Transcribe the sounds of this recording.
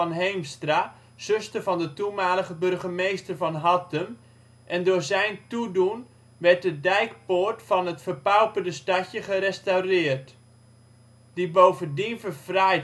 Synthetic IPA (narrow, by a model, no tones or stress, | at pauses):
nɦejmstra | z̥ɵstəvɑndətumaːləχəbɵrχəmejstəɹvɑnɦɑtəm | ʔɛndʊːɹzɛjntudun | ʋɛɹt̚dədɛjkpoːɹtfɑnətfəpawpəndəstɑcjəχəɾɛstaɥrɪːrt | d̥ibowvəndinvərvraj